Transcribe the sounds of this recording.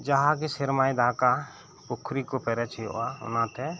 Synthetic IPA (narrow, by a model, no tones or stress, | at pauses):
d͡ʒaɦak̬isɛɾmajd̪aka | pukʰɾikɔpɛɾɛt͡ʃʰijɔ̰ʔaʊ̰nat̪ɛ